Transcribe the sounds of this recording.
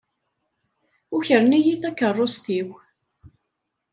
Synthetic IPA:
ʊçəɾnijiθækːərˤːost̪iw

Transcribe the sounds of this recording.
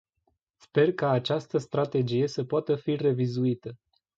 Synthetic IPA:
spe̞rkaːt͡ʃast̪əst̪ɾat̪e̞d͡ʒije̞səpoat̪əfire̞vizuit̪ə

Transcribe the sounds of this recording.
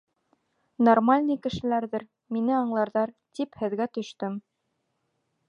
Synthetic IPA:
normalʲnɤjkɘ̆ʃɘ̆læɾðɘɾ | minɘɑɴlˠɑɾðɑɾt̪iphɘ̆ðɡæt̪ɵ̆ʃt̪ɵm

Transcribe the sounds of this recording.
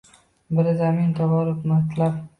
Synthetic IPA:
bəɾzamint̪ʰawaɾʊfmat̪lab

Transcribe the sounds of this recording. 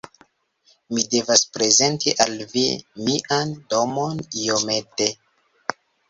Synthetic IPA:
mide̞vaspɾe̞ze̞ntiʔalvḭmiʔando̞mo̞nijomete̞

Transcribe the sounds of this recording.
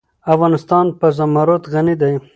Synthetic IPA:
afɣɑnɪst̪ɑnpəzamaɾot̪ɣanid̪aj

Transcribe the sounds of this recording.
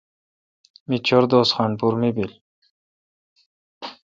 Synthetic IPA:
mit͡ɕʰoɾd̪oːsχɑnpuɾmibil

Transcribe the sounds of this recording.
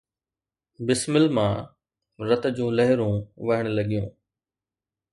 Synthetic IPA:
bɪsmɪlmãː | ɾɐt̪d͡ʑũːlɐɦɪɾũːʋɐɦɪɽ̃lɐɠijũː

